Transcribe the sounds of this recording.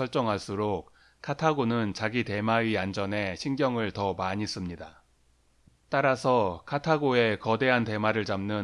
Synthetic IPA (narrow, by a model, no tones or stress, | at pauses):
ʌɭt͡ɕ͈ʌŋɦaɭs͈uɾok̚ | kʰatʰaɡonɯnt͡ɕaɡite̞maɥiand͡ʑʌne̞ɕʰinɡjʌŋɯɭtʌmaɲis͈ɯmɲida | t͈aɾasʰʌkʰatʰaɡoe̞kʌde̞ɦante̞maɾɯɭt͡ɕamnɯn